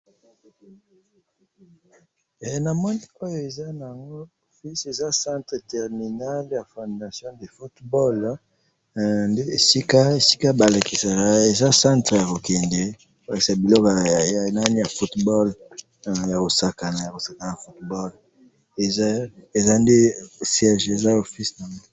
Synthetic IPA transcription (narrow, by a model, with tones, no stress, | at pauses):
na˨mɔ˦ni˦o˦jo˦e˨za˦na˨ja˨ŋɡo˦o˨fi˦se˨za˦sã˦ntʁə˨tɛ˨ʁmi˨na˦lja˨fɔ̃˨nda˨sjɔ̃˦de˨fu˦tbɔ˦l | nde˦e˨si˦ka˦e˨si̥˦ka˦ba˨la˨ki˨sa˨ka˦e˨za˦sã˦ntʁə˨ja˨ko˨kɛ˨ndɛ˨ | o˨la˨ki̥˨sa˨bi˨lɔ˦kna˦ni˦ja˨fu˦tbɔ˦l | ja˨ko˨sa˨ka˨na˨ja˨ko˨sa˨ka˨na˨a˨fu˦tbɔ˦l | e˨za˦e˨za˦nde˦sjɛ˦ʒe˨za˦o˨fi˦sna˨ŋɡo˦